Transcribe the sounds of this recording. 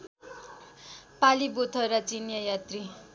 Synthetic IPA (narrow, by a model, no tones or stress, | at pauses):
palibot̪ʰʌjɾat͡sinjʌjat̪ri